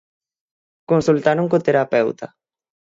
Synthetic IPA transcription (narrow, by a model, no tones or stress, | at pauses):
konsult̪aɾoŋkot̪eɾapewt̪a̰